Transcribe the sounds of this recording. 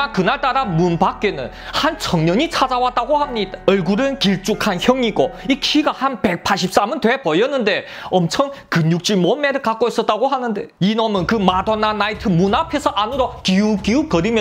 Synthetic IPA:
akɯnaɭt͈aɾamunpak͈̚e̞nɯ̰n | hant͡ɕʰʌŋɲʌɲit͡ɕʰad͡ʑawat̚t͈aɡohamɲid̥aʌɭɡuɾɯnkiɭt͡ɕ͈ukʰançjʌŋiɡoikʰiɡahanpe̞k̚pʰaɭɕʰip̚s͈amɯntwe̞pʌjʌnːɯnde̞ | ʌmt͡ɕʰʌŋkɯɲuk̚t͡ɕ͈imomːeɾɯɭkak͈ois͈ʌt͈̚aɡoɦanɯnde̞inomɯnkɯmadonanaitʰɯmunapʰe̞sʰʌʔanɯɾokiukiukʌɾimjʌ

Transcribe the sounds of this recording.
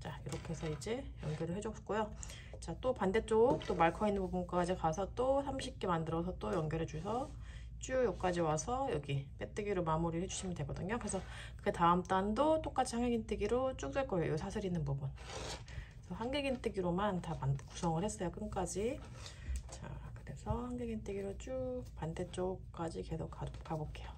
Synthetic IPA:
t͡ɕaiɾʌkʰe̞sʰʌid͡ʑe̞jʌŋɡjʌɾɯɭɦe̞d͡ʑok͈ojo | t͡ɕat͈opande̞t͡ɕ͈oɡuk̚t͈omaɭkʰʌinːɯnpubunk͈ad͡ʑikasʰʌt͈osʰamɕʰip̚k͈e̞mandɯɾʌs̬ʰʌt͈ojʌŋɡjʌɾed͡ʑusʰʌ | t͡ɕ͈ujojok̚k͈ad͡ʑiwasʰʌjʌɡip͈e̞t͈ɯɡiɾomamuɾihe̞d͡ʑuɕʰimɯntwe̞ɡʌdɯɲokɯɾe̞sʰʌ | kɯetaɯmt͈andot͈ok͈at͡ɕʰihaŋɡeɡintʰeɡiɾot͡ɕ͈uk̚t͈weɭk͈ʌejo̰josʰasʰɯɾinːɯnpubun | sʰʌɦaŋɡeɡint͈ʰɯɡiɾomantapandkusʰʌŋɯɭhes͈ʌjok͈ɯnk͈ad͡ʑi | t͡ɕa̰kɯɾe̞sʰʌhaŋɡeɡintʰeɡiɾot͡ɕ͈upande̞t͡ɕ͈ok͈ad͡ʑike̞sʰokkk͈abok͈ʰe̞jo

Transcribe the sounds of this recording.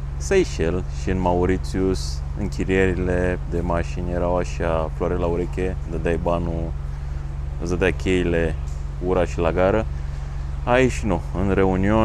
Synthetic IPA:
sejʃelʃiɨnmauɾit̪siusɨ̰ŋkʲiɾieɾiled̪emaʃinjeɾawaʃafloaɾelauɾekʲed̪əd̪ajbanu | zəd̪akʲʰeile | uɾaʃilaɡaɾə | aiʃnuɨnɾe̞unio

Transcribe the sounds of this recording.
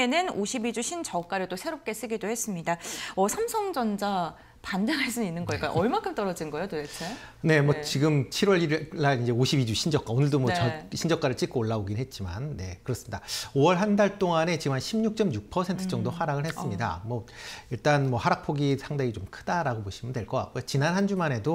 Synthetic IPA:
enɯnoɕʰibid͡ʑuɕʰind͡ʑʌk͈aɾɯɭt͈osʰe̞ɾop̚k͈e̞s͈ɯɡidohe̞s͈ɯmɲidaʌsʰamsʰʌŋd͡ʑʌnd͡ʑa | pandaŋaɭs͈uninːɯnɡʌik͈a̰ʔʌɭmakʰɯmt͈ʌɾʌd͡ʑinɡʌjot͈odet͡ɕʰe | ne̞mwʌt͡ɕiɡɯmt͡ɕʰiɾwʌɾiɾːaind͡ʑe̞oɕʰibid͡ʑuɕʰind͡ʑʌk͈aonɯɭdomwʌʌɕʰind͡ʑʌk͈aɾɯɭt͡ɕ͈ik͈oːɭːaoɡinɦet̚t͡ɕ͈ima̰nːe̞kɯɾʌs͈ɯmɲidaoʌɭɦandaɭt͈oŋane̞t͡ɕiɡɯmɦanɕʰimɲuk̚t͡ɕ͈ʌmjuk̚pʰʌsʰentʰɯt͡ɕ͈ʌŋdohaɾaɡɯɭhes͈mɲida̰mwʌiɭt͈anmʌhaɾak̚pʰoɡisʰaŋdeɡit͡ɕomkʰɯdaɾaɡoboɕʰimɯndweɭk͈ʌk͈a̰k͈̚ojot͡ɕinanhand͡ʑumane̞do

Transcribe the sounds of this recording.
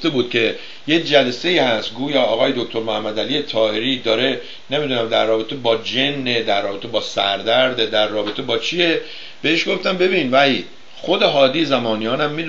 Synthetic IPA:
t̪e̞buːd̪̚cʰe̞ | je̞cd͡ʒælese̞iːhæst̪ɡuːjɒːɒːɣɒːje̞d̪okt̪ʰo̞ɾmohæmːæd̪ælijet̪ʰɒːhe̞ɾid̪ɒːɾe̞ | ne̞mid̪uːnæmd̪æɾːɒːbe̞t̪ʰe̞bɒːd͡ʒe̞nːed̪æɾːɒːbe̞t̪ʰe̞bɒːsæɾd̪æɾd̪ed̪æɾːɒːbe̞t̪ʰe̞bɒːt͡ʃʰije̞ | b̥e̞eʃɡo̞ft̪æmbe̞biːnvæi | xod̪e̞ɦɒːd̪iːjezæmɒːnijɒːnæmːi

